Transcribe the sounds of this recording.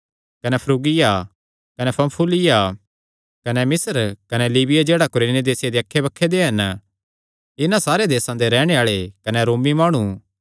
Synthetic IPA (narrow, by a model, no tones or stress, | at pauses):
kɐnɛpʰɾuːɡɪja | kɐnɛpʰɐ̃mpʰuːlɪja | kɐnɛmɪsəɾkɐnɛliːbɪjad͡ʒeːɽakʊɾeːnid̪eːsɪjad̪eɐkʰːebɐkʰːed̪eɦɐn | ɪnãsaːɾed̪eːsãd̪eɾɛːɽ̃eaːɭekɐnɛɾoːmːimaːɽ̃u